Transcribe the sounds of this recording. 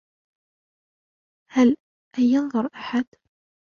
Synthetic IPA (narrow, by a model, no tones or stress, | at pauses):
hæl | ʔæjːænðˤoɾˤʔaħad̪̥